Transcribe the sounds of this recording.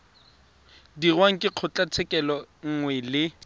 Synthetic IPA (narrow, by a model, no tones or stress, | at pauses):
dirwaŋ̩kʼɪq͡χʰʊt͡ɬʼat͡sʰɛkʼɛlɔŋ̩ŋwɛlɪ